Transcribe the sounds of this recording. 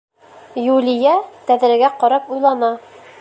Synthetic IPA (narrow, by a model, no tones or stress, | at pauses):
julʲijæt̪æðɾɘ̆ɡæqɒɾɑpujlˠɑnɑ